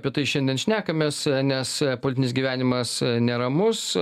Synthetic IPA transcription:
pʲiɛt̪ɐɪʃʲɛnʲd̪ʲiɛnʃʲnʲæːkɐmʲeːsnʲɛspolʲɪt̪ʲɪnʲɪsʲɡʲiʋʲæːnʲɪmɐsnʲɛɾɐmʊs

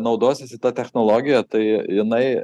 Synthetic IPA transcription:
nɐʊd̪oːsʲɪsʲɪt̪ɐt̪ʲɛxnoːlˠoːɡʲɪjɛt̪ɐɪjɪnɐɪ

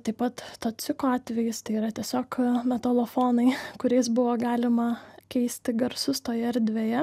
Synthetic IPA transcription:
t̪ɐɪpɐt̪t̪oːsʲɪkoːɑːt̪ʲʋʲɛjɪst̪ɐɪiːɾɐt̪ʲiɛsʲoːkmʲɛt̪oːlˠofoːnɐɪkʊɾʲɛɪsbʊʋoːɡɑːlʲɪmɐkʲɛɪsʲt̪ʲɪɡɐɾsʊst̪oːjɛɐɾʲd̪ʲʋʲeːjɛ

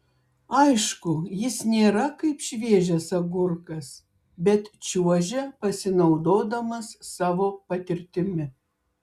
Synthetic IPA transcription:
ɐɪʃkʊjɪsnʲeːɾɐkɐɪpʃʲʋʲiɛʒʲɛsɐɡʊɾkɐs | bʲɛt̪t͡ʃʲuɔʒʲɛpɐsʲɪnɐʊd̪oːd̪ɐmɐsːɑːʋoːpɐt̪ʲɪɾʲt̪ʲɪmʲɪ

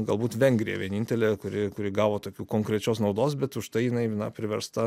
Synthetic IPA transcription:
ɡɐlˠbuːt̪ʋʲɛŋʲɡɾʲijɛ̰ʋʲiɛnʲinʲt̪ʲɛlʲeːkʊɾʲɪkʊɾʲɪɡɑːʋoːt̪oːkʲuːkoːŋkɾʲɛt͡ʃʲoːsnɐʊd̪oːsbʲɛt̪ʊʃt̪ɐɪjɪnɐɪnɐ̰pʲɾʲɪʋʲɛɾst̪ɐ

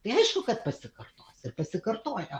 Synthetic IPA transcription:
t̪ɐɪɐɪʃkʊkɐt̪pɐsʲɪkɐrt̪oːsɪrpɐsʲɪkɐrt̪oːjo

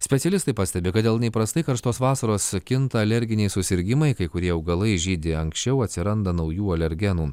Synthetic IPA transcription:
sʲpʲɛt̪ʲɛlʲɪst̪ɐɪpɐsʲt̪ʲɛbʲɪkɐt̪d̪ʲeːlˠnʲɛɪpɾɐst̪ɐɪkɐɾʃt̪oːsʋɑːsɐɾoːskʲɪnt̪ɐɐlʲɛɾʲɡʲɪnʲɛɪsʊsʲɪɾʲɡʲɪmɐɪkɐɪkʊɾʲiɛɐʊɡɐlˠɐɪʒʲiːd̪ʲɪɐŋksʲt͡ʃʲɛʊɐt̪ʲsʲɪɾɐnd̪ɐnɐʊjuːɐlʲɛɾʲɡʲɛnuː

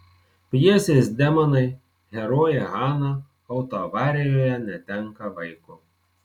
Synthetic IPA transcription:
pʲjiɛsʲeːsd̪ʲɛmɐnɐɪ | ɣʲɛɾoːjɛɣɑːnɐ | ɐʊt̪oːʋɑːɾʲejoːjɛnʲɛt̪ʲɛŋkɐʋɐɪkʊ

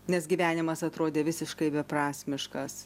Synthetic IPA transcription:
nʲɛsɡʲiʋʲæːnʲɪmɐsɐt̪ɾoːd̪ʲeːʋʲɪsʲɪʃkɐɪbʲɛpɾɑːsʲmʲɪʃkɐs

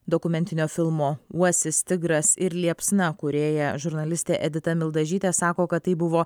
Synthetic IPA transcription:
d̪okʊmʲɛnʲt̪ʲɪnʲoːfʲɪlˠmoːuɔsʲɪst̪ʲɪɡɾɐsɪɾlʲiɛpsnɐkʊɾʲeːjɛʒʊɾnɐlʲɪsʲt̪ʲeːʔɛd̪ʲɪt̪ɐmʲɪlˠd̪ɐʒʲiːt̪ʲesɑːkoːkɐt̪t̪ːɐɪbʊʋoː

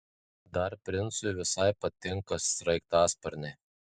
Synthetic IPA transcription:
d̪ɐɾpʲɾʲɪnt̪sʊɪʋʲɪsɐɪpɐt̪ʲɪŋkɐsɾɐɪk̚t̪ɑːspɐɾʲnʲɛ

